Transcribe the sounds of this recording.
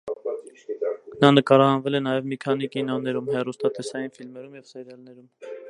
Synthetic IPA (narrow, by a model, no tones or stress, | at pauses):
nɑnəkɑɾɑhɑnvɛlɛnɑjɛvmikʰɑnikinɔnɛɾumhɛrust̪ɑt̪ɛsɑjinfilmɛɾumjɛvsɛɾjɑlnɛɾum